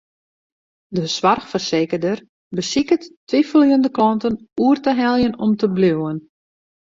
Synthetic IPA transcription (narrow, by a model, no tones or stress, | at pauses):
dəswarxfərseːkərdər | bəsikəttʋifəlˠjəndəklɔntənuərtəɦɛlˠjənɔmtəbluwən